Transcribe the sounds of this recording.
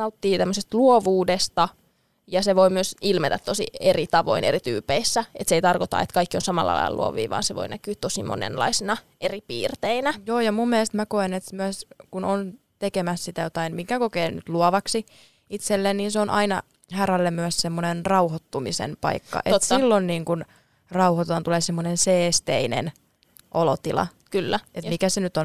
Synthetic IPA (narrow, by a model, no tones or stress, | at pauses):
ɑut̪ːiːt̪æmːøsest̪luoʋuːdest̪ɑ | jɑseʋojmyøsilmet̪æt̪t̪osḭerit̪ɑʋo̞̰inʔeɾit̪y̰ːpːeisːæet̪seit̪ɑrkot̪ɑ̰et̪kɑikːionsɑmɑ̰lːʔɑ̰lɑ̰j̰ɑlṵo̰ʋḭːʋɑ̰ːnseʋo̰inækyːt̪ːosimo̰nḛnlɑ̰isinɑ | eripḭːrt̪einæjoːjɑmumːielest̪mækoenet̪myøskunon | t̪ekemæssit̪æjot̪ɑinmikækokeːny̰t̪luɑʋɑksi | it̪selːenniːnseonʔɑinɑ | hærælːemyæssemːonenrɑuhot̪ːumisḛnpɑ̰ikːɑ̰ʔḛt̪sːilːonniːŋkun | rɑuhot̪ɑnt̪uleːsemːonenseːst̪einḛn | ʔolot̪ilɑ̰ | kylːæet̪mikæsenyt̪on